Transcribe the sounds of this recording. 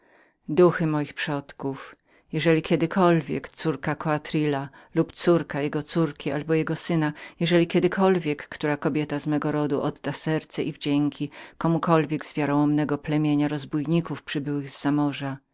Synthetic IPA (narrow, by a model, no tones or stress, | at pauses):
d̪uxɘmɔjixpʂɔt̪kuf | jɛʐɛlʲikʲɛd̪ɘkʰɔlvʲjɛ̰kt̪suɾkakɔat̪ɾila | lupt̪suɾkajɛɡɔt̪suɾkʲʰiʔa̰lbɔjɛɡɔsɘnajɛʐɛlʲikʲɛd̪ɘkʰɔlvʲjɛkːt̪uɾakɔbʲjɛt̪azmɛɡɔɾɔd̪uʔɔd̪d̪asɛɾt̪sɛʔivd͡ʑɛŋkʲikɔmukɔlvʲjɛɡzvʲjaɾɔ̃w̃ɔmnɛɡɔplɛmʲjeɲaɾɔzbujɲikufpʂɘbɘwɘɣzːamɔʐa